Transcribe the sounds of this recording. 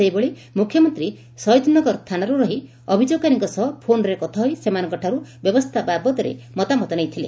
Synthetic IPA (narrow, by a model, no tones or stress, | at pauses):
ejboɭi | mukʰjɔmɔnt̪ɾi | sɔjd̪nɔɡɔɾt̪ʰanaɾuɾɔɦi | ɔbʱid͡ʒoɡ̚kaniŋkɔsɔɦpʰonɔɾekɔt̪ʰaɦɔjsemanɔ̃ŋkɔʈʰaɾubjɔbɔst̪ʰababɔt̪ɔɾḛmɔt̪amɔt̪ɔnejt̪ʰile